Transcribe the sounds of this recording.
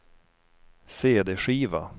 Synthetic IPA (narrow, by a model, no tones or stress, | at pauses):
seːd̪eɧiːva̰